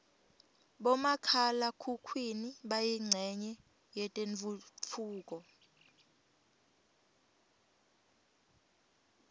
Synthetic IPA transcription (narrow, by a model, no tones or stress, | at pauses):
ɓɔmakʰalakʰukʰwiniɓajiŋ͡ǀʱɛɲɛ | jɛtʼeɱvufʰuːk̬ʼɔ